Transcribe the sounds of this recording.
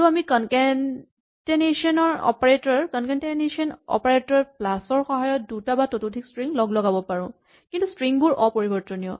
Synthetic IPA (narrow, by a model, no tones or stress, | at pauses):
uamikɔnkɛn | teneʃiɔnɔɹɔ̰paɹetɔɹkɔnkɛnteneʃiɔnɔ̰paɹetɔɹplasɔɹxɔɦajɔt̚dutabatotudʱikstɹiŋlɔɡlɔɡabɔpaɹʊ̃ | kintustɹiŋbʊɹʔɔpoɹibɔɹtɔnijɔ̰